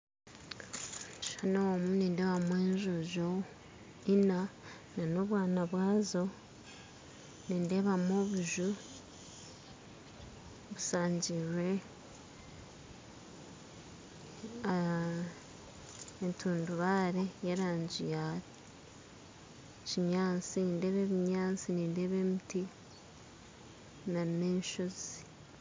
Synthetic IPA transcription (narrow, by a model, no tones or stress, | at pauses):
ʃanowomuneːndeβamweːɲʒuʒo | ina | nano̞βwaːnaβwaːzo̞ | neːndeːβamoːβuʒu | βusaːɲɟirwe | ntʰuːnduβaːɾejeɾaːɲɟijaɾ | ciɲaːt͡siniːnde̞ːβe̞βiɲaːt͡siniːnde̞ːβe̞ːmiti | naneːnʃozi